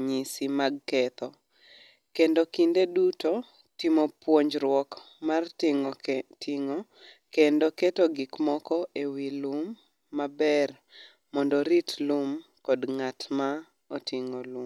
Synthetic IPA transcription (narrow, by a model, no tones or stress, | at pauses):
ɲisimaɡ̚kɛt̪ɔ | kendokindeduto | timopwoɲd͡ʒɾwɔkmar | tʰiŋo | kendoketoɡɪkmɔkɔʔewilumː | abɛr | mɔndɔɾitlum | kɔdŋatma | otiŋolum